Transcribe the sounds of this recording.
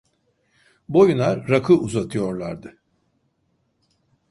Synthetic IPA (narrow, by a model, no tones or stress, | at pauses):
bo̞junaːakʰɯuzat̪ʰɯjo̞ɾlˠa̰ɾd̪ɯ